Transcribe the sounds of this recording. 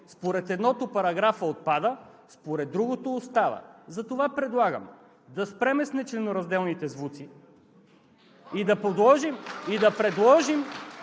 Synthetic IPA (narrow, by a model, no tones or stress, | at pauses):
spoɾɛt̪ɛd̪nɔt̪opɐɾɐɡɾafəot̪̚pad̪ə | spoɾɛd̪ːɾuɡot̪oːst̪avə̰zɐt̪ovapɾɛd̪lˠaɡə̰m | d̪ɐspɾɛmɛsnɛt͡ʃlɛnoɾɐzd̪ɛlˠnit̪ɛzvut̪si | id̪ɐpod̪lˠɔʒimid̪ɐpɾɛd̪lˠɔʒim